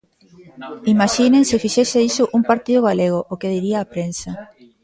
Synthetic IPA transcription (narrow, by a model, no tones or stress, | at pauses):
imaʃinẽŋsɪfiʃeseisʊʔuŋpaɾt̪iðʊɣaleɣ̞oʔokeðiɾiaːpɾensa